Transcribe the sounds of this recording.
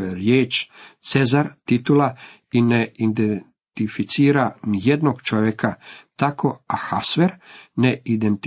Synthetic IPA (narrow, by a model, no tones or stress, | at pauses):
jeɾjeːt͡ʃt̪sezaɾt̪it̪ula | ineid̪en | t̪ifit̪siːɾanijed̪noɡt͡ʃoʋjekat̪akʰo̞axasʋeɾneid̪ent̪